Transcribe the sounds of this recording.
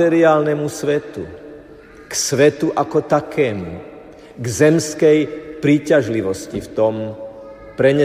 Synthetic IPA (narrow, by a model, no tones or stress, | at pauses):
ɛɾiaːlnɛmusʋɛt̪u | ksʋɛt̪uʔakɔt̪akʰɛːmuṵ | ɡzɛmskɛjpɾiːcaʒliʋɔscift̪ɔm | pɾɛɲɛ